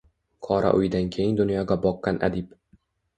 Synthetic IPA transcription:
kʰɒɾʔa̰ʔʊjd̪ankʲʰejɪŋd̪ʊnjɒɡʲabɒqːɑnʔa̰d̪ɪp

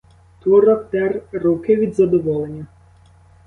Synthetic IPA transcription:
t̪ʋɔɾɔk̚t̪ɛrrukɪʋʲid̪zɐd̪ɔʋɔlˠenʲːɐ

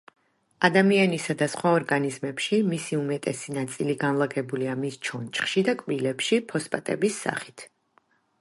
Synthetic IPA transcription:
ad̪amianisad̪asχwaɔɾɡanizmɛpʃimisiumɛt̪ʼɛsinat̪sʼiliɡanlˠaɡɛbuliamist͡ʃʰɔnt͡ʃʰʼχʃid̪akʼvilɛpʃipʰɔspʼat̪ʼɛ̰bisːa̰χit̪ʰ

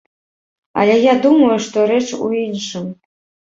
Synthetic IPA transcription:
ɐ̰lʲɛjad̪umɐjuʂt̪ɔɾɛt͡ʂṵinʂɨm

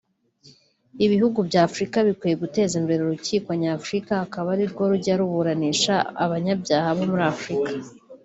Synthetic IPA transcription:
iβihuɡubɟaːfɾikaβikwiːje̞ɡute̞ːzimbe̞ɾeuɾuciːkwaɲafɾikahakaβaɾiɾɡo̞ɾuɟaɾuβuɾaniːʃa̰ːβaɲabɟaːhaβo̞muɾaafɾikḁ

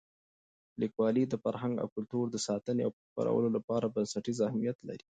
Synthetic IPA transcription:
likwɑlid̪əfaɾɦaŋɡa̰wkʊlt̪uɾd̪əsɑt̪ənea̰wpəxpa̰ɾʔa̰wə̰lolapɑɾabansaʈizahmijat̪la̰ɾi

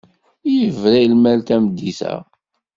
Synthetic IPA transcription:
jəvɾæjlmælt̪æmd̪ːisæ̰

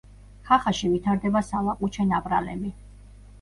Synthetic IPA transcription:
χaχaʃivit̪ʰaɾd̪ɛbasalˠaqʼut͡ʃʰɛnapʼɾa̰lɛ̰mi

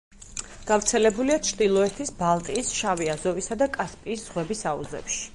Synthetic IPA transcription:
ɡ̥avɾt̪sʰɛlɛbuliat͡ʃʰɾd̪ilˠɔɛt̪ʰisbalˠt̪ʼiːsʃaviazɔvisad̪akʼaspʼiːsz̥ʁwɛbisaṵzɛ̰pʃi̥

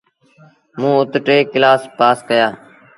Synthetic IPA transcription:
mũːʊt̪ʈeːkɪlaːspaːskəjaː

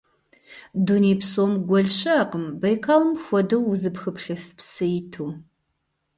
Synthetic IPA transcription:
dunejpsoːmɡʷɔɮɕɐːqəmbɐjkʰaːlɨmxʷɔdɐwuzɨpxɨpɬɨfpsɨjɪtʰuː

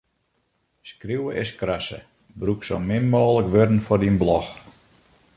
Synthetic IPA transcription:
skriwəʔɪskrasə̰ | brukso̰mɪnmoːləkʋørdən̩fɔrdinblɔx

